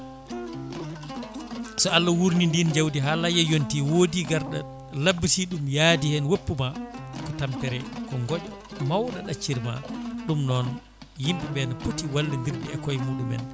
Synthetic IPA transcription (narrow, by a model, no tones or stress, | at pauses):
sɔalːawuɾnindind͡ʒawdiɦalajɛjontiwodiɡaɾɗa̰ | labːisiɗumjadihɛnwopːumakɔtamtɛɾɛkɔŋɡɔɗɔ | mawɗaɗat͡ʃːiɾma̰ɗumnɔn | jimɓiɓɛnapotiwalːindiɾdiɛkɔjmuːɗumɛ̰n